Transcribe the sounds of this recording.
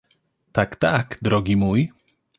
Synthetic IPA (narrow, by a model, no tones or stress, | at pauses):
t̪akt̪akd̪ɾɔɡʲimuj